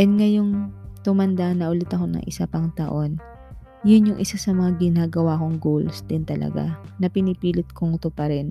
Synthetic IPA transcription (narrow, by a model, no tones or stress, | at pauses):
ʔɛd̪ŋɐjoŋt̪ʊmɐnd̪anɐʔʊlɪt̪ɐko̞nɐ̰ŋʔɪ̰sapɐŋt̪ɐʔo̞n | jʊnjʊŋʔɪsasɐmɐŋaɡɪnaːɡɐwakoŋɡolsd̪ɪnt̪ɐlɐ̰ɡa̰nɐpɪnɪpiːlɪt̪̚koŋt̪opɐɾɛn